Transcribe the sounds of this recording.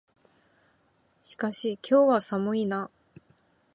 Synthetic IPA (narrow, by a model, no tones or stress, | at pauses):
ɕi̥kaɕikʲʰo̞ːβasamɯ̟ina